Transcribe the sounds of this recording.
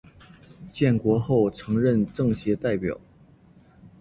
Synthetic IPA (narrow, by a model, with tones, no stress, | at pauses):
t͡ɕjɛ˥˩nkwɔ˧˥xo˥˩ʊʈ͡ʂʰɤ˧˥ŋɻə˥˧nʈ͡ʂɤ˥˩ŋɕjɛ˧˥t̪a˥˩ɪpjɑ̰˨˩˦ʊ